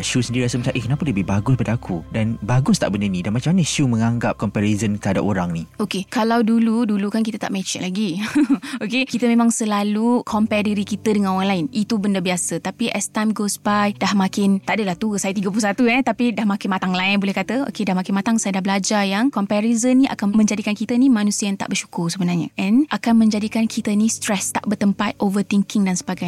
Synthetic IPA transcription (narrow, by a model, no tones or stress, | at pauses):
ʃusəndiɾiasəmət͡ʃaʔikənãpaləbɪhbaɡʊspadaakʰudanbaɡʊst̪aʔbəndanĩdanmat͡ʃamːanaʃumə̃ŋaŋɡap̚kɔmpɛɾizənkəada̰poɾaŋniokekalawduludulukankit̪ət̪a̰ʔmɛt͡ʃɛʔlaɡi | okekit̪əmẽmãŋsəlalukʰɔmpɛdəɾikit̪ədəŋanoaŋlaɪnit̪ubəndabiasət̪apiʔɛst̪amɡosbajdahmãkɪnt̪aʔdəlaht̪uəsajət̪iɡəp̬lusat̪uɛt̪apidahmãkɪnmat̪aŋlaɪnbolɛhkat̪əo̰kedahmakɪnmat̪aŋsajədahbəlad͡ʒajaŋkɔmpɛɾizənːĩʔa̰kanmə̃ɲd͡ʒadikankit̪ənimanusiəjaŋt̪a̰ʔbərʃu̥kʊrsəbənarɲa̰ʔɛ̃nʔakanmə̃ɲd͡ʒadikankʰit̪ənĩst̪ɾɛst̪aʔbərt̪əmpat̪̚ʔovət̪iŋkɪŋdansəbaɡaj